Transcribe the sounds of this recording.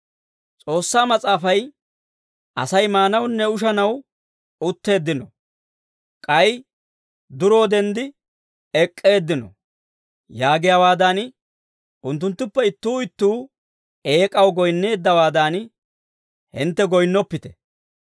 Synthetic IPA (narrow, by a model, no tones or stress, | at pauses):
t͡sʼo̞ːsːaːmɐt͡sʼaːfɐj | ʔɐ̰sɐjmaːnɐwnːɛʊʃ̬ɐnɐw | ʊt̪ːe̞ːd̪ːɪnɔ̰ | kʼɐj | d̪ʊɾo̞ːd̪ɛnd̪ɪ | ɛkʼːe̞ːd̪ːɪnɔ̰ | jaːɡɪjawaːd̪an | ʔʊnt̪ːʊnt̪ːʊpːɛɪt̪ːuːɪt̪ːuː | e̞ːkʼɐwɡɔjnːe̞ːd̪ːɐwaːd̪aːn | hɪ̰nt̪ːɛɡɔjnːɔpːɪt̪ɛ̥